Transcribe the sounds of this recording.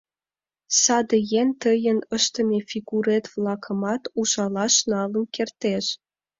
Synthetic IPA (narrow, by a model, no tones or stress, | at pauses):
sɑd̪ə̆jent̪əjə̆nə̆ʃt̪ə̆mʲefʲiɣuɾet̪vlɑkʰə̆mɑt̪uʒɑlɑʃnɑlə̆nkert̪eʃ